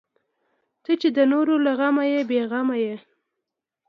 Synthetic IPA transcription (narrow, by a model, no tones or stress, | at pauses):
t̪ət͡ʃed̪ənoɾolaɣamajebeɣamaje